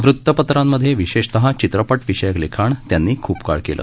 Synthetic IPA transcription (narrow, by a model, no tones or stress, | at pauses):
ʋɾut̪ːəpət̪ɾamːəd̪ʱjeʋiɕeɕt̪əɦãt͡ɕit̪ɾəpəʈʋiɕəjəklekʰaɳt̪janːiːkʰuːpka̰ɭkḛlʔə̰ː